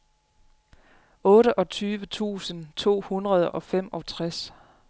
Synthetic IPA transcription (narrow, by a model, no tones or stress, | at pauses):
ɔ̽ːɾəʔɒ̽t͡sʰyːʋət͡sʰṵːsənt͡sʰo̝̰ːhunʁɐð̞ˠʔɒ̽fem̰ɒ̽t͡sʰʁas